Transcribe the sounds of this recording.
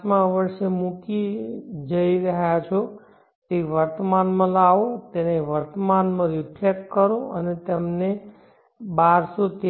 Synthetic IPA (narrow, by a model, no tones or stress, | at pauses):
mãəʋəɾʃemukid͡ʒəiɾəɦjat͡ʃʰo | t̪eiʋəɾt̪manmãlaʋot̪eneʋəɾt̪əmanmãɾipʰekkəɾõənet̪emne | baɾsot̪e